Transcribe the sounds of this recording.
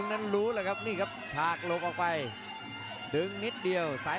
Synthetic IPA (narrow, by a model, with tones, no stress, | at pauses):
ŋnə˧nlu˨˦ləː˧˨˩jɣa˦˥p̚niː˧˩ɣa˨˦˥p̚t̪ʰaː˨˩k̚lo˨˩k̚ʔɔ˨˩k̚ɓa˨˧˩j | ɗɨ˨˧ŋni˦˥t̚ɗi˨˩əwsa̰ː˨˦